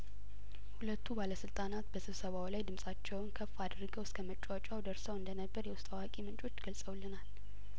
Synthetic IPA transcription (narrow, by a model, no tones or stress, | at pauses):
hulət̪ʰːubaləsɨlt̪ʼanat̪bəsɨβsəβawlajd̪ɨmsʼat͡ʃːɛwnkʰəfːad̪rɨɡəwɪskʰəmət͡ʃʼːat͡ʃʼawd̪əɾsəwɨnd̪ənəbːəɾjɛwʊst̪ʼawakʼimɨnt͡ʃʼo̞t͡ʃːɡəlsʼəwlːɨnal